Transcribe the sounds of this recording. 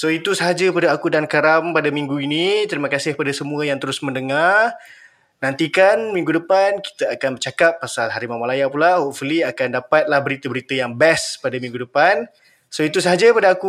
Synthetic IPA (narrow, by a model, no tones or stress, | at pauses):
soit̪usəɦad͡ʒapadaakudankaɾampadamĩŋɡuinit̪əɾimãkasɪhpadasəmũəjaŋt̪əɾʊsməndəŋar | nãnt̪ikanmĩŋɡudəpanki̥t̪aakanbərt͡ʃakapːasalɦaɾimamalajapulahoʔfuliakandapat̪̚lahbəɾit̪əbəɾit̪əjaŋbɛspadamĩŋɡudəpan | soit̪usəɦad͡ʒapadaaku